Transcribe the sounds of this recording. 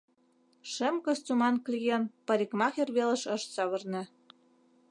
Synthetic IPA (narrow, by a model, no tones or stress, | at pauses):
ʃɘ̆mkɤ̆st͡sumɑnklʲijenpɤɾʲikmɑxʲerβelĕʃɤ̆ʃsɑβɤ̆rnɘ̆